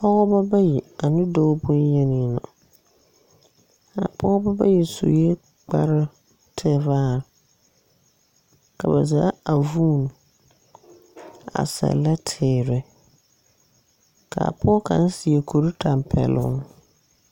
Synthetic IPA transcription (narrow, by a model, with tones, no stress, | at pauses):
pɔ˦ɣɔ˦ba˦ba˦ji˨a˨nɪ˦do˦bʊ˦n˦je˦nɪ˨nʊ̰˨ | a̰˨pɔ˦ɣɔ˦ba˦ba̰˦jɛ˨so̰˨jɛ˦ | k͡pa˦ɾɪ˦ | tʰɪ˦˨vaː˦˨ | ka˨ba˨za˨˦a˨vuː˦˨n˨ | a̰˨sɛ̰˨la˦tʰɪː˨ɾɪ˨ | ka˨a̰˨pɔ˦ka̰˨n˦sɪ˨e˨kʰo˨ɾi˦tʰa˨m˨pʰɛ̰˨lʊ̰˦ŋ